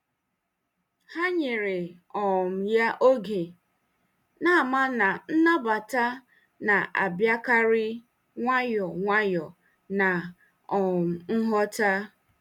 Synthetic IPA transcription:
ha˦ɲe˨ɾɪ˨ | ɔ˨m̩˨ja˦ʔo˦ɡe˨ | na˦˨ma˦na˨n̩˦na˦ba˨ta˦ | na˨ʔa˨bja˦ka˦ɾɪ˦ | ŋʷa˦jɔ˨ŋʷa˦jɔ˨ | na˨ | ɔ˨m̩˨ŋ̩˦ɦɔ˦ta˦

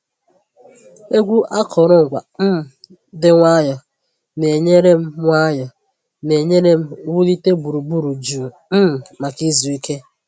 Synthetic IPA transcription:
e˦ɡʷu˦ʔa˦kʰɔ˨ɾʊ˦ŋ̩˨kʷa̰˨m̩˦m̩˨ | dɪ˦ŋʷa˦jɔ˨ | ne˨ɲe˦ɾe˦m̩˦ŋʷa˦jɔ˨ | ne˨ɲe˦ɾe˦m̩˦wu˦li˦te˦bu˨ɾu˨bu˦ɾu˨d͡ʒu˨ | m̩˦m̩˨ma˨ki˦zu˨i˦ke˦

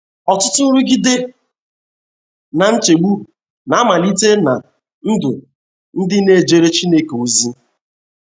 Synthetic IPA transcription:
ɔ˨tʊ˦tʊ˦n̩˦ɾʊ˦ɡi˦de˦ | na˨n̩˦t͡ʃe˨ɡ͡bu˦˨ | na˨˦a˦ma˨li˦te˦na˨ | n̩˦dʊ˨ | n̩˦dɪ˦ne˦˨d͡ʒe˦ɾe˦t͡ʃi˦ne˦ke˨o˨zi˦

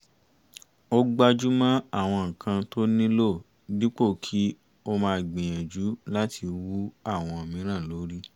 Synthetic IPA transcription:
o˦ɡ͡ba˧d͡ʒu˦mã˦a˦˨w̃ɔ̃˧ŋ̩˨kʰã˧to˦nĩ˦lo˦˨ | di˦k͡po˦˨kʰi˦ | o˧mãː˧˦˧ɡ͡bĩ˨j̃ɛ̃˨d͡ʒu˨˦la˦tʰi˧wu˦a˦˨w̃ɔ̃˧o˨mĩ˨˦ɾ̃ã˦˨lo˨˦ɾi˦

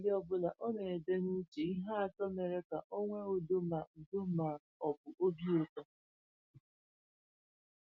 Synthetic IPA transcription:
dɪ˦ɔ˦bʊ˦la˨ʔɔ˦ne˨e˨de˦n̩˦t͡ʃi˨i˦ɦa˦a˨tɔ˦me˨ɾe˦ka˨ʔo˦ŋʷe˦o˨do˦ma˨u˨do˦ma˨ | ɔ˨bʊ˨ʔo˦bi˦o˦tɔ˦

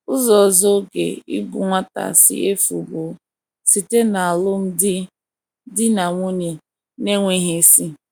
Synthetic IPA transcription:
ʊ˦zɔ˨zɔ˦ɡḛ˨ḭ˦ɡʊ̰˨ŋʷa˦ta̰˨sɪ̰˦e˦fu˨bʊ˨˦ | si˨te˦na˨a˨lʊ˦m̩˦dɪ˦ | dɪ˦na˨ŋʷu˦ne˨ | ne˦ŋʷe˦ɦe˦si˦

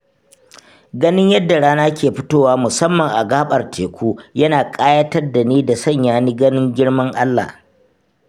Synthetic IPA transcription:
ɡɐ˦nɪ˦ɲjɐ˦dːa˨ɽaː˦naː˦kʲeː˨ɸɪ˦toː˦waː˦mʊ˨sɐ˦mːɐ˨ŋʔa˨ɡaː˦ɓʼɐ˨rtʰeː˨kʷuː˦jɐ˦naː˨kʼaː˦jɐ˦tɐ˦rda˨neː˦da˨sɐ˦˨ɲjaː˦niː˦ɡɐ˦nɪ˦ŋɡʲɪ˦ɽmɐ˦ŋʔa˦lːa̰˨

